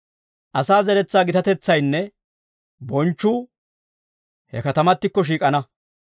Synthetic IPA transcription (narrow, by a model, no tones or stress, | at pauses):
ʔɐsaːzɛɾɛt͡sːaːɡɪt̪ɐt̪ɛt͡sːɐjnːɛ | bɔnt͡ʃːʊ | hɛ̰kɐt̪ɐmɐt̪ːɪkːɔʃ̬iːkʼɐnɐ